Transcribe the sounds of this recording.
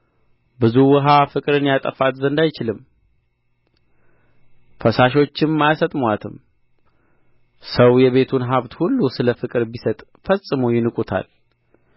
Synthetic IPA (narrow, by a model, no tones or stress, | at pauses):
bɨzuwɔɦafɨkʼɨɾɨnjat̪ʼəfat̪zənd̪ajt͡ʃɪlɨm | fəsaʃ̬o̞t͡ʃːɪmːajasət̪ʼmwat̪ʰɨm | səwjɛβe̞t̪ʰunɦaβt̪hulːusɨləfɨkʼɨɾbisət̪ʼ | fəsʼɨmujɪnɨkʼut̪ʰa̰l